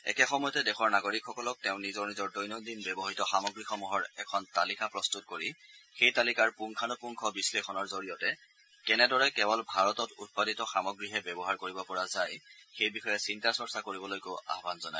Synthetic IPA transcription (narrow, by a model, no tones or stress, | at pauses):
ɛ̰kɛxɔmɔjɔtɛdɛxʰɔɹnaɡoɹikxɔkɔlɔk̚tɛʊ̃nizɔɹnizɔɹdɔjnɔdinbɛbɔɦitɔxamɔɡɹixɔmuɦɔɹɛ̰kʰɔntalikapɹɔstut̚koɹixejtalikaɹpuŋkʰanʊpuŋkʰɔbislexʰɔnɔɹzoɹijɔtɛ | kɛnɛdɔɹɛkɛbɔlbʱaɹɔtɔtṵt̚paditɔxamɔɡɹiɦɛbɛbɔɦaɹkoɹibɔpɔɹazajxejbixɔjɛsintasɔɹsakoɹibɔlojkoa̰ɦbanzɔnaj